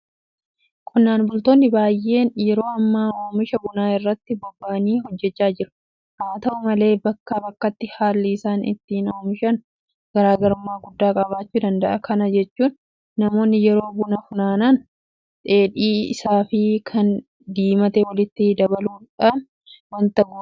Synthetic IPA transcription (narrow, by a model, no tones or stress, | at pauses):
kʰʼʊnːaːnbʊlt̪oːnːɪbaːjːe̞ːnjɛɾo̞ːɐmːaːo̞ːmɪʃɐbʊnaːɪrːɐt̪ːɪbɔbːaʔniːɦɔd͡ʒːɛt͡ʃːaːd͡ʒɪɾʊ̥ | haːt̪ɐʊmɐle̞ːbɐkːɐbɐkːɐt̪ːɪhaːlːɪɪsaːnɪ̰t̪ːiːno̞ːmɪʃɐn | ɡ̥ɐɾaːɡɐɾʊmːaːɡʊd̪ːaːkʼɐβaːt͡ʃːuːd̪ɐnd̪ɐʔɐkʰɐnɐd͡ʒɛt͡ʃːuːnː | ɐmo̞ːnːɪjɛɾo̞ːbʊnɐfʊnaːnaːn | ᶑe̞ːᶑiːɪ̰saːfɪkʰɐn | d̪iːmɐt̪ɛwɐlɪt̪ːɪd̪ɐbɐluːnᶑɐ | wɐnt̪ɐɡːuː